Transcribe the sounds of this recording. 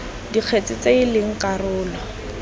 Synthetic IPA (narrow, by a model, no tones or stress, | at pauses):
diq͡χʰet͡sʼɪt͡seilɪŋ̩karʊːlɔ